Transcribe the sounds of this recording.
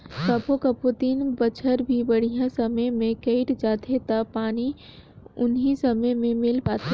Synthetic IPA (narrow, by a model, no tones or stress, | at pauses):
kəpokapʊt̪inbət͡ʃʰəɾbʱibəɽ̤ijãsəməjmẽkeɪʈd͡ʒaːt̪ʰet̪apaːni | ʊnɦisəməjmẽmɪlpaːt̪e